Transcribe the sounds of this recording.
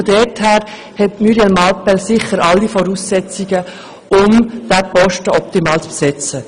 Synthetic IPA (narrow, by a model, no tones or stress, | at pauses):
odɛthæːɾ | hɛtmyɾjɛlmɑlpɛlsɪχəɾɑlːifɔɾuːsːɛt͡siɡə | ʊmd̥æpɔʃtəɔp̚t̪imɑːlt͡spsɛt͡sə